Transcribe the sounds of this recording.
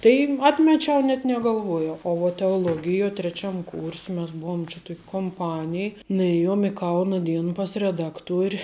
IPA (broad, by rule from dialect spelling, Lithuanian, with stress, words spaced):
tɐɪ ˈɑːtʲmʲɛt͡ʃʲɛʊ nʲɛt nʲɛɡɐlˠˈʋuɔjɛʊ oː ʋɐt tʲɛoːˈlˠoːɡʲɪjoː tʲrʲɛˈt͡ʃʲɛm kuːrʲsʲ mʲɛs ˈbuɔm t͡ʃʲɛ ˈtoːkʲ koːmˈpɑːnʲɪj nʊˈeːjoːm ɪ ˈkɐʊnɐ ˈdʲiɛnɐ pɐs rʲɛˈdɑːkˌtuɔrʲɪ